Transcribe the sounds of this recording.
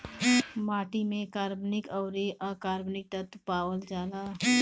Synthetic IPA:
maːʈimẽkaːɾbnɪkɔʊɾiʔɔkaːɾbnɪk̚t̪ət̪paːwəld͡ʒaːlaː

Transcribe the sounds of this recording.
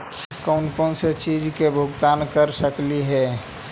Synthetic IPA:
kɔʊnkɔnset͡ʃid͡ʒkebʱʊɡt̪ankəɾsəkliɦɛ

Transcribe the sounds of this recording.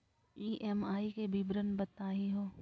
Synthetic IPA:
iːʔɛmaːikebʱibɾənbɐt̪aːɦiɦoː

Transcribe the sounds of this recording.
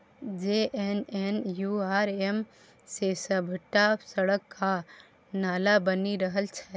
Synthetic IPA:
d͡ʒeʔenenjuaːɾem | sesəbʱəʈːasəɽəkːa | naːlabəniɾəɦəlt͡ʃʰɛ

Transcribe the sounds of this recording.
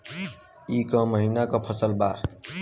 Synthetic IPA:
ikɔməɦinakɔpʰəsəlba

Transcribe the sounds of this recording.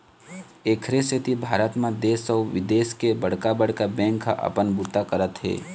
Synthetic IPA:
eːkʰɾeset̪ibʱaːɾət̪mãd̪eːsəʋɪd̪eːskebəɽ̤kabəɽkabɛ̃ːŋkʰːa̰ʔə̰pənbut̪akəɾət̪ɦɛ̰ː

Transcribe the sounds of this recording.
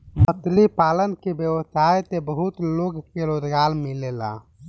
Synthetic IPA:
mət̪lipaːlənkebjəʋsaet̪ebəɦut̪loɡkeɾod̪ɡaːlmilela̰

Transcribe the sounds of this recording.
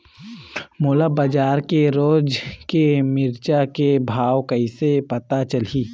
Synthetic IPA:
moːlabad͡ʒaːɾkeɾoːd͡ʒkemɪɾt͡ʃakebʱaːʋkəɪsepɐt̪at͡ʃɐl̤i

